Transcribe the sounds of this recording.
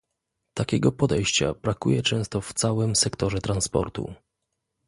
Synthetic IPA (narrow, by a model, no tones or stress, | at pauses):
t̪akʲɛɡɔpɔd̪ɛjɕt͡ɕa̰bɾakujɛt͡ʂɛ̃w̃st̪ɔft̪sawɘmsɛkt̪ɔʐɛt̪ɾanspɔ̰ɾt̪ṵ